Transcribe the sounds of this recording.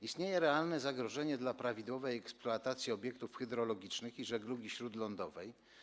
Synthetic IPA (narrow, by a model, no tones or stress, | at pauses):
ist̪ɲejɛɾɛalnɛzaɡɾɔʐɛɲɛd̪lapɾavʲid̪wɔvɛjɛkspluat̪at̪sʲjiɔbʲjɛkt̪ufxɛd̪ɾɔlɔɡʲit͡ʂnɘxiʐɛɡluɡʲiɕɾud̪lɔnd̪ɔvɛj